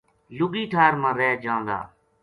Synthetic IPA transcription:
lʊɡiːʈʰaːɾmãːɾɛːd͡ʒãːnd̪a̰ː

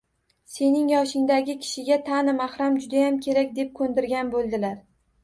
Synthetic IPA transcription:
se̞nɪŋjɒʃɪŋd̪aɡʲɪkʲʰɪ̥ʃɪɡʲat̪ʰanɪmahɾamd͡ʒʊd̪ajamkʲʰe̞ɾakʲd̪e̞p̚kʰɵnd̪ɪɾɡʲanbolˠd̪ɪlaɾ

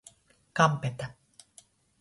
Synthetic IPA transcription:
kampet̪a

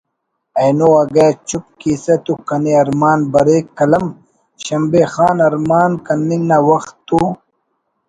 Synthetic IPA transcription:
ɐjnoɐɡɐːt͡ʃup̚kiːsɐt̪ukɐniɐɾmaːnbɐɾeːkːɐlɐm | ɕɐmbexaːnɐɾmaːnkɐnːiŋnawɐxt̪ːu

